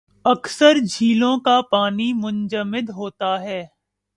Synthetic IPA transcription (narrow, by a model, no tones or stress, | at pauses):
ɐksəɾd͡ʒʱiːlõkapaːnimʊ̃nd͡ʒəmɪd̪ɦoːt̪aɦɛː